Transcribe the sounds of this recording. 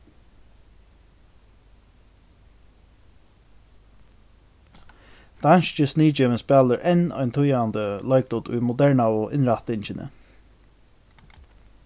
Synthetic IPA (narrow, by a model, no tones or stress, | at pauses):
d̪̥anʃt͡ʃəsniːd͡ʒɪvənspɛːləɹʔɛnɔ̰ʏnt̪ʰʊjand̪əlɔjk̚d̪ʊt̪ʊ̰jmʊd̪ɛɹɳawʊʔɪnɹat̪ɪɲt͡ʃɪnʔə̰